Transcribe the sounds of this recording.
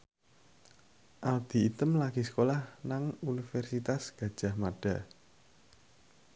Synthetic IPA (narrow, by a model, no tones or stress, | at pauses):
ʔald̪̥i̤ːt̪əmlaɡ̥isə̥kolahnaŋunifɛrsit̪asɡ̥ä̤d̥ʒ̥a̤hmaɖ̥ä̤